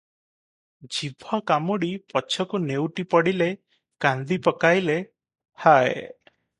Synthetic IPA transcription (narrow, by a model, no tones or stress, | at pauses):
d͡ʒibʱɔkamuɽipɔt͡ʃʰɔkunewʈipɔɽile | kand̪ipɔkajle | hae